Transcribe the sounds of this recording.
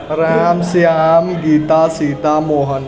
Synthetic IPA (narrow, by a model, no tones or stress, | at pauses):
ɾamsjamɡiːt̪asit̪amoɦən